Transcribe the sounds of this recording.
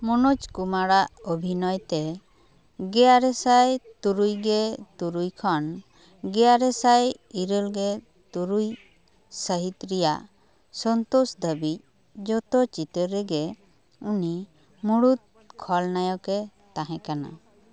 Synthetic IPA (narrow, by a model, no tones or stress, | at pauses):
mɔnut͡ʃkumaɽaʔɔbʱinɔjt̪ɛ | ɡɛjaɾɛsajt̪uɾujɡɛt̪uɾujkʰɔn | ɡɛjaɾɛsaj | iɾəlɡɛ | t̪uɾuj | səɦit̪ɾijaʔ | sɔnt̪usd̪əbic̚ | d͡ʒɔt̪ɔt͡ʃit̪əɾɛɡɛ | uni | muɽut̪̚ | kʰɔlnajɔkɛt̪ãɦɛ̃kana̰